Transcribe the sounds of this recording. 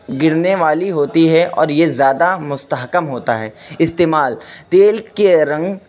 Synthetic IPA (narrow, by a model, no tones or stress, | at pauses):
ɡɪɾneʋaːliɦoːt̪iɦɛʔɔ̰ːɾjezjaːd̪amʊst̪əɦkəmɦoːt̪aɦɛːɪst̪eːmaːlt̪eːlkeɾɐ̃ŋɡ